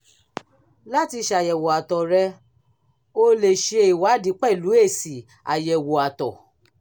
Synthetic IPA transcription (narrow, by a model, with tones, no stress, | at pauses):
la˦ti˧ʃa˨jɛ˨wo˨a˨tɔ˨ɾɛ˧ | o˧le˨ʃe˧i˨wa˨˦di˨˦k͡pɛ˦˨lu˨˦e˦˨si˨ | a˨jɛ˨wo˨a˨tɔ˨